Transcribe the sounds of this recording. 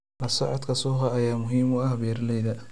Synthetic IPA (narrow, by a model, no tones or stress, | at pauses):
lɐsɔʕɔd̪kʰɐsʊːχɐɐjaːmʊɦiːmʊɐhɐbjɛrlɛjðɐ